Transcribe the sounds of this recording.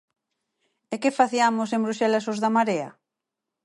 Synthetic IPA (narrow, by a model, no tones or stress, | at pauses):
ekefaθiamosẽmbɾuʃɛlasozðamaɾea̰